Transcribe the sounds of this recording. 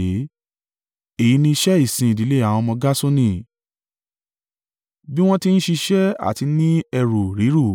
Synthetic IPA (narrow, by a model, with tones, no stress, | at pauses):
e˦˨ji˨˧nĩ˧i˧ʃɛ˦i˦˨sĩ˨i˨di˨˦le˦a˨w̃ɔ̃˧mɔ̃˧ɡa˦so˦nĩ˦˨ | bi˦w̃ɔ̃˦ti˦ñ̩˦ʃi˧ʃɛ˦a̰˦˨ti˧nĩ˦ɛ˧ɾu˨ɾi˨˦ɾu˦˨